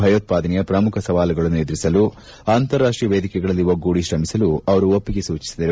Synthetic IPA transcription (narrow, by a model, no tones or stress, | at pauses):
bʱɐjoːt̪̚paːd̪ɐnɛjɐpɾɐmukʰɐsɐʋaːlɐɡɐɭɐnːued̪ɾisɐlu | aːnt̪ɐɾːaːʂʈɾijɐʋeːd̪ikɛɡɐɭɐlːiʋɐɡːuːɽiʃɾɐmisɐluɐʋɐɾuopːiɡe̞suːt͡ʃi̥sid̪ɐɾe